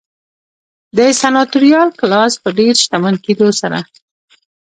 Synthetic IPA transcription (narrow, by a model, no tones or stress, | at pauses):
d̪əsanɑt̪ʊɾijɑlklɑspəɖeɾʃt̪amanked̪osaɾa̰